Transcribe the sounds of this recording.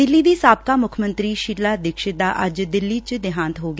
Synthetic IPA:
ɪlːiːd̪iːsaːp̚kaːmʊkʰmə̃nt̪ɾiːʃiɾlaːd̪ɪkʃɪd̪aːʔəd͡ʒd̪ɪlːiːt͡ʃd̪ɪɦãːnt̪ɦoːɡ

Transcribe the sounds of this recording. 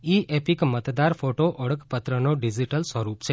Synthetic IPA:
iepikmət̪d̪aɾfoʈoʔəɭəkpət̪ɾənoɖid͡ʒiʈəlsʋəɾupt͡ʃʰe

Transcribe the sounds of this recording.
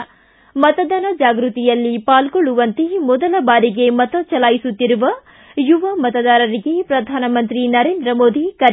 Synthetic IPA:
mɐt̪ɐd̪ɐnɐd͡ʒaːɡɾut̪ijɐlːipaːlɡoɭːuʋɐnt̪emɔd̪ɐlɐbaːɾiɡe̞mɐt̪ɐt͡ʃɐlaːjisut̪ːiɾuʋɐ | juʋɐmɐt̪ɐd̪aːɾɐɾiɡe̞pɾɐd̪ʱaːnɐmɐnt̪ɾinɐɾe̞ːnd̪ɾɐmoːd̪ʱikɐɾ

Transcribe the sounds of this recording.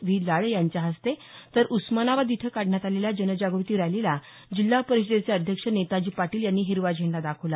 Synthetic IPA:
ʋilaɭjaɲt͡ɕjaɦəst̪et̪əɾʔusmanaʋad̪it̪ʰekaɽɳjat̪aleljad͡ʑənəd͡ʑaɡəʋt̪iːɾajlela | d͡ʑilːapəɾiɕd̪et͡seəd̪ʱjəkʂənet̪ad͡ʑiːpaʈiːljanːiːɦiɾʋad͡ʑʱeɳlad̪akʰəʋla

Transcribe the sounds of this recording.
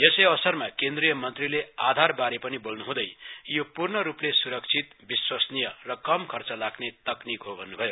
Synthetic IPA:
jesʌjʌsʌrmakend̪rijʌmʌnt̪rilead̪ʱarbaɾepʌnibolnuɦũd̪ʌjjopurnʌɾuplesuɾʌk̚t͡sʰit̪biswʌsnijʌrʌkʌmkʰʌrt͡sʌlaɡnet̪ʌknikɦobʱʌnːubʱʌjo

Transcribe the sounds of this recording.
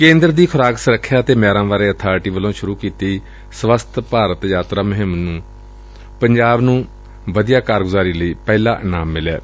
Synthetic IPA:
kẽːnd̪ɾd̪iːkʰʊɾaːksəɾəkʰːjaːt̪eːmɛːɾãːʋaːɾeːət̪ʰaːɾʈiːʋəlõːʃʊɾuːkiːt̪iː | sʋəst̪ʰpaːɾət̪jaːt̪ɾaːmʊɦɪmnũː | pəɲd͡ʒaːbnũː | ʋəd̪ijaːkaːɾɡʊzaːɾiːləiːpɛːla̰ːnaːmːɪlɛ̰ː

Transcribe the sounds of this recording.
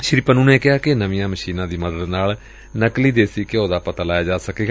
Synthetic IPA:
ʃɪɾipənũːneːkɪɦaːkɪnəʋĩːãːməʃiːnãːd̪iːməd̪əd̪naːl | nəkliːd̪eːsiːkɪõːd̪aːpət̪aːlaːjaːd͡ʒaːsəkeːɡaː

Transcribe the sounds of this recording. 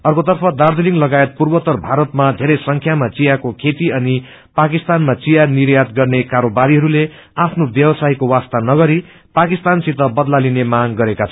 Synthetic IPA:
ʌrkot̪ʌrpʰʌd̪ard̪ʱiliŋlʌɡaet̪̚purbʌt̪ʌrbʱaɾʌt̪mad̪ʱeɾʌjsʌŋkʰjamat͡sijakokʰet̪iʌni | pakist̪anmat͡sijaniɾjat̪̚ɡʌrnekaɾobaɾiɦʌɾule | apʰnobjʌwsaikowast̪anʌɡʌɾi | pakist̪ansit̪ʌbʌd̪lalinemaɡɡʌɾekat͡sʰʌ

